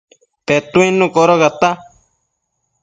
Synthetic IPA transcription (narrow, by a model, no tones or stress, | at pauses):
t̪et̪ũĩnũkoɾoɣat̪a